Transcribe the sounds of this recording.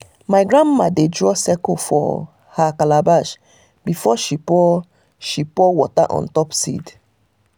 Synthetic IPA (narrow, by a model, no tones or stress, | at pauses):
maɪɡɹãnmadedɹɔsɛkɔfɔ̰ | hakalabaʃ | bifɔʃipɔ | ʃipɔwɔta̰ʔɔ̰̃ntɔpsḭd